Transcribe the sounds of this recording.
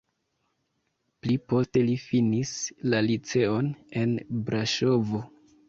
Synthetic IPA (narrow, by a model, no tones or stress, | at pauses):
plipo̞ste̞lifinislalit͡se̞o̞ne̞nbɾaʃo̞vo̞